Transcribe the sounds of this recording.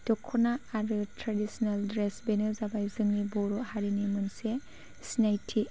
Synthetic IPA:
tɔkʰːɔnaːɾɯtɾadisɔnaldɾesbenɯzabajzɯŋnibɔɾɔhaɾinimɯnse | sinajtʰi

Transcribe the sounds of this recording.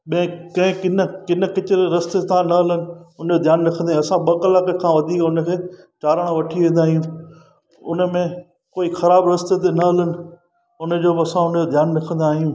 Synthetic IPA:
ɓɐ̃ɪ̃kɐ̃ɦɪ̃kɪnəkɪnə̆kɪt͡ɕɪɾeɾɐst̪et̪ʰãnɐɦɐlənɪ̆ʊnd͡ʑod̪ʱjaːnɾɐkʰə̃nd̪aɦɐsãɓɐkɐlaːkəkʰãːʋɐd̪ʱiːkʊnəkʰeː | t͡ɕaːɾəɽ̃õʋɐʈʰiʋẽːnd̪aːɦijũː | ʊnə̆mẽ | koːixɐɾaːbɾɐst̪et̪̬enɐɦɐlənɪ̆ | ʊnə̆d͡ʑoːbɪɐsãʊnəd͡ʑod̪ʱjaːnɾɐkʰə̃n̆d̪aːɦijũː

